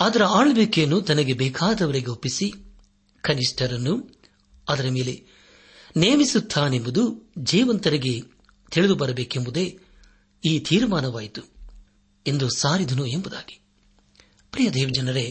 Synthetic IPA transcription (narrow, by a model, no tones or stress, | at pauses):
ɐd̪ɐɾɐaːɭɐbeːkejɐnːut̪ɐnɐɡe̞bɛːkʰaːd̪ɐʋɐɾiɡe̞opːisi | kɐniʂʈʰɐɾɐnːu | ɐd̪ɐɾɐme̞ːle̞ | neːmisut̪ʰːaːnembud̪ud͡ʒiːʋɐnt̪ɐɾiɡe̞ | t̪ʰiɭid̪ubɐɾɐbeːkembud̪e̞ | iːt̪ʰiːɾmaːnɐʋaːjit̪u̥ | e̞nd̪usaːɾid̪ɐnue̞mbud̪aːɡi̥ | pɾijɐd̪ɛːʋɐd͡ʒɐnɐɾe